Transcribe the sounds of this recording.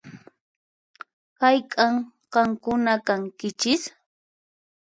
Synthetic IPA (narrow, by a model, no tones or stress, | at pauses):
kajkʼaŋ | qɑŋkʊnakaŋkɪt͡ʃɪs